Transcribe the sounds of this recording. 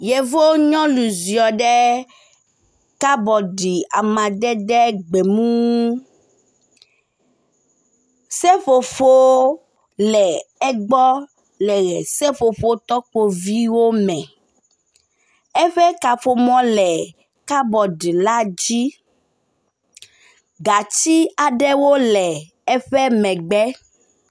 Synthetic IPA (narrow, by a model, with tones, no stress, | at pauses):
je˨vo˦ɲɔ̃˦lu˨zi˨ɔ˨ɖɛ˦ | ka˦bɔ˨ɖi˨a˨mã˨d̪ɛ˦ɖɛ˦ɡ͡be˨mũ˦ | sɛ˦ɸo˨fo˦ | lɛ˨ɛ˦ɡ͡bɔ˦ | lɛ˨ɣɛ˨sɛ˦fo˨ɸo˦t̪ɔ˦k͡po˨vi˦wo˦mɛ̃˨ | ɛ˦ɸɛ˦ka˨ɸo˨mɔ̃˦lɛ˨ | ka˦bɔ˨ɖla˦d͡ʑi˦ | ɡa˨t͡ɕi˦a˨ɖɛ˦wo˦lɛ˨ | ɛ˦ɸɛ˦mɛ̃˨ɡ͡bɛ˦